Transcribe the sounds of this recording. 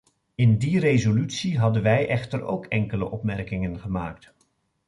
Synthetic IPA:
ɪndirezolytsiɦɑdənʋɛjʔɛχtəro̰wkɛŋkələʔɔpmɛrkɪŋənχəmaːk̚t

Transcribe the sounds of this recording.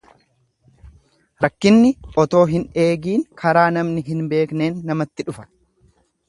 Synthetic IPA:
ɾɐkːɪnːɪʔɔt̪o̞ːɦɪne̞ːɡiːŋkʰɐɾaːnɐmnɪɦɪnbe̞ːkne̞ːnːɐmɐt̪ːɪᶑʊfɐ̥

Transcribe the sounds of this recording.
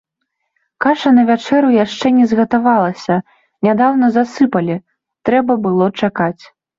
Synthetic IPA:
kaʂɐnɐvʲat͡ʂɛɾujaʂt͡ʂɛnʲɛzɣɐt̪avalˠɐsʲɐ | nʲad̪awn̪ɐzasɨpɐlʲi | t̪ɾɛbɐbɨlˠɔt͡ʂakat͡sʲ

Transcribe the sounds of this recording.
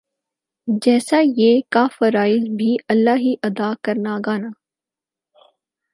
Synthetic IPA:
d͡ʒɛːsajeːkafɐɾaːɪzbʱiɐlːaːɦiʔɐd̪aːkɐɾnaːɡaːnaː

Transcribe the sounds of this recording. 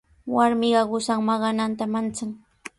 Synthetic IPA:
waɾmɪɢɑɢʊsaŋmɑɢɑnant̪amant͡saŋ

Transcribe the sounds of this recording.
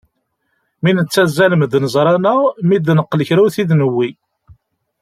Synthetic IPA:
minət͡sːæzæləmd̪nəzˤɾˤɑnəmid̪nəqːləçɾuθiðnəwːi

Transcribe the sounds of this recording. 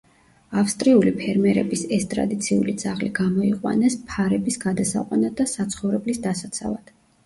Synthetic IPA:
afst̪ʼɾiulipʰɛɾmɛɾɛbisɛst̪ʼɾa̰d̪it̪sʰiṵlid̪z̥aʁliɡamɔiqʼwa̰nɛspʰaɾɛbisɡ̥ad̪asa̰qʼwanad̪asat̪sʰχɔvɾɛblisd̪asat̪sʰa̰vad̪̥

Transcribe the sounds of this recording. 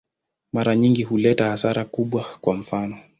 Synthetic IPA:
maɾaɲiŋɡihulɛtahasaɾakuɓwakwam̩fanɔ

